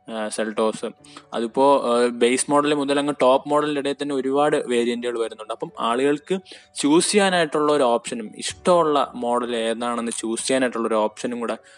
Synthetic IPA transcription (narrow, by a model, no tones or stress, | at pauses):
selʈo̞ːsɨɐ̰ðupːo̞ːbejsmo̞ːɽɐlemuðɐlɐŋːɐʈo̞ːpːmoːɽɐliliɽeːt̪ːɐnːeo̞ɾubaːɽɨʋe̞ːɾijɐndijɭʋɐɾunːuɳɖɨɐpːɐma̰ːɭuɣɐɭkɨ | t͡ɕuːsijaːnaːjiʈːuɭːɐoɾuoːpʂɐnumḭʂʈɐmuɭːɐ̰mo̞ːɽɐleːnːaːɳe̞nːɨt͡ɕuːsikaːnaːjiʈːuɭːɐo̞ɾuoːpʂɐnumkuːɽe